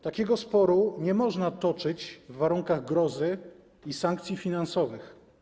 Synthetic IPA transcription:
t̪akʲɛɡɔspɔɾuɲɛmɔʐnat̪ɔt͡ʂɘt͡ɕvːaɾuŋkaɣɡɾɔzɘ | isaŋkt̪sʲjifʲinansɔvɘx

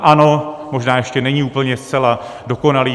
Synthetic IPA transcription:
ʔano̞moʒnaːjɛʃcɛnɛɲiːuːpl̩ɲɛst͡sɛlado̞ko̞naliː

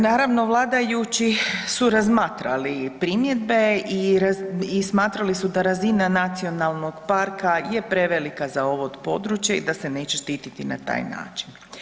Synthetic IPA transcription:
naːɾaʋno̞ʋlˠaːd̪ajut͡ʃissuɾazmaːt̪ɾalipɾimje̞d̪be̞iɾaismaːt̪ɾalisud̪aɾazinanat̪sio̞nalˠno̞ɡ̥paɾkajepɾeʋelikazao̞ʋod̪po̞d̪ɾut͡ʃjeḭd̪ase̞ne̞ːt͡ɕeʃt̪iːt̪it̪ina̰t̪a̰ːjna̰ːt͡ʃin

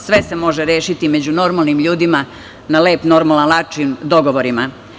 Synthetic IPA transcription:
sʋe̞se̞mo̞ʒeɾjeːʃit̪ime̞d͡ʑuno̞ɾmalˠnimʎuːd̪ima | naleːpno̞ɾmalˠanlˠat͡ʃimd̪o̞ɡoʋoɾima

